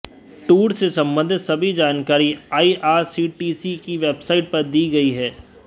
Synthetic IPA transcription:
ʈuːɾsesɐ̃mbə̃nd̪ʱsɐbʱid͡ʒaːnkaːɾiaːiʔaːɾsiːʈiːsikiʋeːbsaːɪʈ̚pɐɾd̪iːɡɐiɦɛː

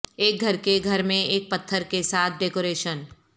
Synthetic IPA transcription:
eːk̚ɡʱɐɾkeɡʱɐɾmẽeːk̚pɐt̪ʰːəɾkesaːt̪̚ʰɖeːkoːɾeːʃən

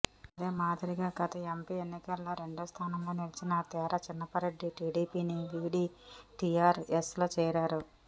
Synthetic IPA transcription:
ɐd̪e̞ːmaːd̪iɾiɡaːɡɐt̪ɐempienːikɐlːoːɾe̞ɳɖust̪ʰaːnɐmlo̞ːnilit͡ʃinɐt̪ɛːɾɐt͡ʃinːɐpɐɾeɖːiʈiːɖiːpiːniʋiːɽiː | ʈiːaːɾesloːt͡ʃɛːɾaːɾu

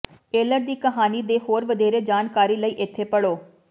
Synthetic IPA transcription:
eːləɾd̪iːkəɦaːniːd̪eːɦoːɾʋəd̪eːɾeːd͡ʒaːnkaːɾiːləiːʔɪt̪ʰːeːpəɽoː

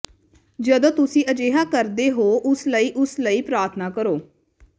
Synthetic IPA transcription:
d͡ʒəd̪õːt̪ʊsĩːəd͡ʒeːɦaːkəɾd̪eːɦoːʔʊsləiːʔʊsləiːpɾaːɾt̪ʰnaːkəɾoː

